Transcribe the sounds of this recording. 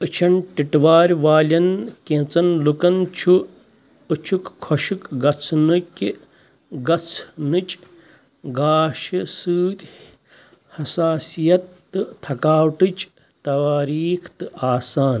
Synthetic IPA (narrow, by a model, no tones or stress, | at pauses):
ɨt͡ʃʰɐnʈiʈʋaːɾʲʋaːlʲɐnkẽːt͡sɐnlukɐnt͡ʃʰuː | t͡ʃʰukkʰːoʃikɡɐt͡sʰnɨkʲi | ɡɐt͡sʰnɨt͡ʃʼ | ɡaːʃɐsɨːt̪ʲ | hɐsaːsijɐt̪ː | ɨt̪ʰɐkaːwʈɨt͡ʃ | t̪ɐaːɾiːkʰt̪ɨaːsaːn